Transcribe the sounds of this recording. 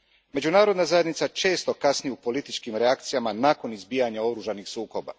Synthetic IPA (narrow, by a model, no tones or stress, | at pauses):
me̞d͡ʒunaːɾo̞d̪nazaje̞d̪nit̪sat͡ʃe̞ːst̪o̞kasnijupo̞lit̪it͡ʃkimɾeak̚t̪sijamanaːko̞nizbiːjaɲao̞ɾuːʒanixsuːko̞ba̰